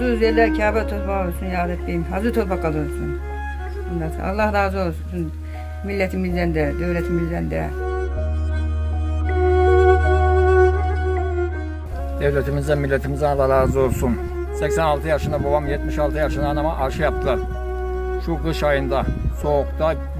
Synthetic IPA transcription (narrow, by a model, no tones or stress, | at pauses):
zɯyzeɾlʲæɾcʰaːbat̪ʰot̪̚pʰakolˠuɾsunjaːd̪ɛt̪lijinɦazɯt̪ʰot̪pakalˠɯɾsun | nlːaɾsɯ̰a̰lˠːahɾaːzɯo̞lˠsun | milʲːɛt̪ʰimizænd̪ɛd̪øvlʲɛt̪ʰimizd̪ænnd̪ɛ̰ | d̪̥ɛvlʲɛt̪ʰimizd̪ɛmilʲːɛt̪ʰimizd̪ænalːˠahɾaːzɯolˠsun | sɛcsɛnalˠt̪ʰɯjaʃɯnd̪abobamjɛt̪miʃalˠt̪ʰɯjaʃɯnd̪aːnamaʔaɾʃɯjap̚t̪ʰɯlˠaɾ̥ | ʃuɡɯʃajɯnd̪aso̞ːkt̪a